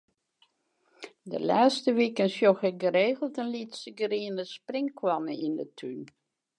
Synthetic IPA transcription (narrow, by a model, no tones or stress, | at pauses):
də̰laːstəʋikənsjoxəɡəreːɣəlˠtənlitsəɡəriənəsprɪŋkʰwɔnəʔindətʰyn